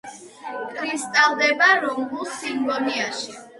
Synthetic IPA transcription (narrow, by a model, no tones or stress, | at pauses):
kʰʼɾist̪ʼalˠd̪ɛbaɾɔmbusimbɔniaʃi